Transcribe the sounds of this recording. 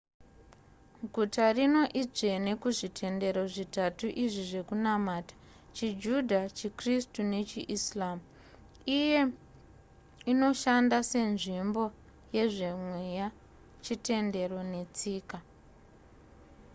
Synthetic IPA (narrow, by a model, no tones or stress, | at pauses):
ɡʱutarino̞ʔib͡ʐe̞nekuʐitʰe̞nde̞ɾoʐitatuʔiʐiʐe̞kunamaːtḁ | t͡ʃid͡ʒudʱat͡ʃikristune̞t͡ʃiʔislamu | ije̞ | ino̞ʃandase̞nʐimbo̞ | je̞ʐe̞mwe̞ja | t͡ʃite̞nde̞ro̞ne̞t͡siːka